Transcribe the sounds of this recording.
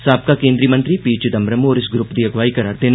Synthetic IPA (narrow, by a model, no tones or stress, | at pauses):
saːp̚kakẽːnd̪ɾijəmɐ̃nt̪ɾipiːt͡ʃɪd̪ɐmɾəmɔːɾɪsɡɾʊpd̪iɐɡʋaːikɐɾaːɾd̪eːn